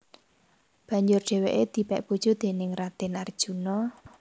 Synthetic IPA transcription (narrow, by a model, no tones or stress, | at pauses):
b̥ä̤ɲd͡ʒʊrɖ̥e̤weʔed̪̥i̤pɛʔb̥ud̥ʒ̥o̤d̪̥e̤nɪŋrad̪̥ɪnard̥ʒ̥ṳnɔ